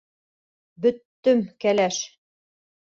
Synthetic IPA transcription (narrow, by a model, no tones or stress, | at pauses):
bɵ̆t̪ːɵmkælæʃ